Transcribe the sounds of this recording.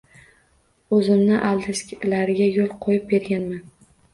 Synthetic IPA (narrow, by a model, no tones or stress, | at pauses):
ɵzɪmnɪʔalˠd̪ɪskʲlaɾɪɡʲajolˠqʰojɪp̚be̞ɾɡʲanman